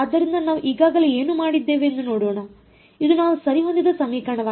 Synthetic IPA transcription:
ɐd̪ːɐɾind̪ɐnaːʋuʔiːɡaːɡɐleeːnuːmaːɽid̪ːe̞ːʋeːnd̪uno̞ːɽoːɳɐ | id̪unaːʋusɐɾiɦond̪id̪ɐsɐmiːkɐɳɐʋaː

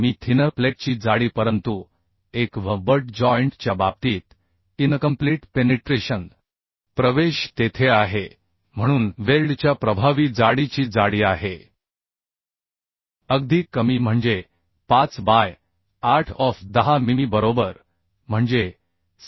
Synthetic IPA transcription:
miːt̪ʰinəɾpleʈ̚t͡ɕiːd͡zaɽiːpəɾənt̪u | ekʋəbəɾʈd͡ʑɔjɳʈt͡ɕjabab̚t̪iːt̪ | inkəmpliʈpeneʈɾeɕən | pɾəʋeɕt̪et̪ʰeaɦe | m̤əɽ̃uːnʋelɖt͡ɕjapɾəbʱaʋiːd͡zaɽit͡ɕiːd͡zaɽiːaɦe | əɡd̪ʱiːkːəmiːm̤əɳd͡ze | pat͡sbaj | aɾʈʰɔfd̪əɦamimibəɾobəɾ | m̤əɳd͡ze

